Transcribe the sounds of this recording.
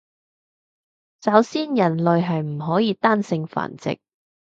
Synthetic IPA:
sɐ˨˥wsiː˥njɐ˨˩nlɵ˨ɥɦɐ˨jm̩˨˩ɦɔː˨˥jiː˨˧t̪aː˥nsɪ˧ŋfa̰ː˨˩nt͡sɪ̰˨k̚

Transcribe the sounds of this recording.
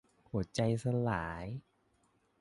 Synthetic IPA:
hu˨˩˦t͡ɕa˧jsa˧laː˩˦j

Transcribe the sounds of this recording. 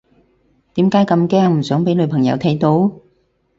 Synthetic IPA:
t̪iː˨˥mkaː˨˥jkɐ˧mkɛː˥ŋm̩˨˩sœː˨˥ŋpe˨˧˥jlɵ˨˧pʰɐ˨˩ŋjɐ̰˨˧˥wt̪ʰɐ˨˧˥jt̪o˨˧˥w

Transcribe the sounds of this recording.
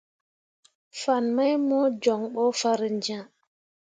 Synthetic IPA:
fa˨nma˦jmɔ˦d͡ʒɔ˨ŋɓɔ˦fa˦ɾi˨nd͡ʒã˦˨

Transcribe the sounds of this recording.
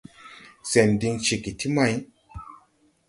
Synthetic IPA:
se˨ndi˧ŋt͡ʃi˨ki˨tʰi˦ma˦˧˦j

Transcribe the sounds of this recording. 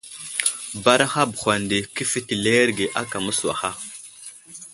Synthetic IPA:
ba˦ɾa˦xa˦bu˨xʷa˨ndi˨ki˦fi˦ti˨le˦ɾɡe˨ʔa˦ka˨mu˦swa̰˨xa˦

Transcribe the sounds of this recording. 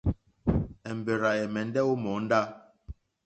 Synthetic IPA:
ɛ˨m˨be˨ɾa˨ɛ˨mɛ˨n˦dɛ˦o˦mɔ˨˦n̩˦da˦

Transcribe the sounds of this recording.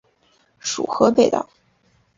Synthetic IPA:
ʂṵ˨˩xɤ˧˥pe˨˩ɪd̪ɑ̰˨˩

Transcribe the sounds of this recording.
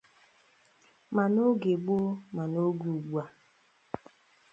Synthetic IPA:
ma˨no˦ɡe˨ɡ͡bo˦ma˨no˦ɡu˨ɡ͡bʷa˨

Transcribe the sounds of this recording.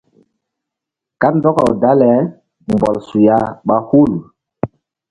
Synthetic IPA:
ka˦ndɔ˦kɔ̰˨wda˦lɛ˨˦ | mbɔ˨lsu˨ja˦ɓa˦hu˦˨l

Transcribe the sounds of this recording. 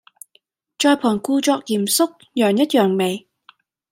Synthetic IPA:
t͡ʃɔː˧jpʰɔː˨˩nkuː˧t͡ʃɔː˧k̚jiː˨˩msʊ˥k̚ | jœː˨˩ŋjɐ˥t̚jœː˨˩ŋme˨˩j

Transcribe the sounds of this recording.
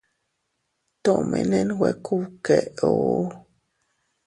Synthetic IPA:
tɔ˦˨mʔɛ̰˨nɛ˦nwɛ˨kʰu˦˨kɛ˨o˨˦

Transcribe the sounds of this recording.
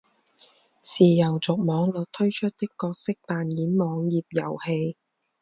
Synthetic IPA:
siː˨jɐ˨˩wt͡sʊ˨k̚mɔː˨˧ŋlɵ˨t̚t̪ʰɵ˥ɥt͡ʃʰɵ˥t̚t̪ɪ˥kːɔː˧k̚sɪ˥k̚t̪aː˨njiː˨˥nmɔː˨˧ŋjiː˨p̚jɐ̰˨˩whe˧j

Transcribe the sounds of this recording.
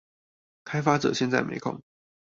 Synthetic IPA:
kʰa˥ɪfa˥ʈ͡ʂɤ̰˨˩˦ɕjɛ˥˧nt͡sa˥˩ɪmḛ˧˥ɪkʰo̰˥˩˦ŋ

